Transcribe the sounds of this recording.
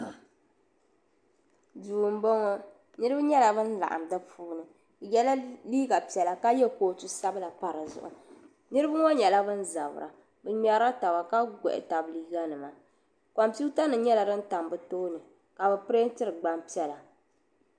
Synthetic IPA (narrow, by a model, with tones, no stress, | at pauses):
duː˨m̩˦bɔ˦ŋɔ˦ | nɨ˦ɾɨ˦ba˦ɲɛ˦la˨bɨ˦n̩˦la̰˨ʔa̰˨mdɨ˦fuː˦nɨ˨ | jɛ˦la˦liː˦ɡa˨pi˨ɛ˨la˨ka˦jɛ˦koː˨˦tu˦sa˦bɨ˦la˨pa˨ɾɨ˨zʊ̰˨ʔʊ̰˨ | nɨ˦ɾɨ˦ba˦ŋɔ˦ɲɛ˨la˦bɨ˦n˦za˨bɨ̰˨ɾa̰˨ | bɨ˨ɲa˨˦ɾa˦ta˨ba˨ka˦ɡɔ̰˨ʔɪ̰˨ta˨bliː˦ɡa˦nɨ˨ma˨ | ka˨mpi˦ta˦nɨ˨ɲɛ˦la˨dɨ˦n̩˦ta˨mbɨ˦to˦nɨ˨ | ka˨bɛ˨pɨ˦ɾe˦n˦tɨ˦ɾɨ˨ɡ͡ba˨mpi˦ɛ˦la˨